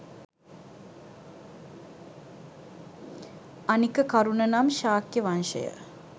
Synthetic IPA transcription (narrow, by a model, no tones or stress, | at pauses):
ɐnikːəkaɾunɐnamʃaːkjəʋanʃə̰jə̰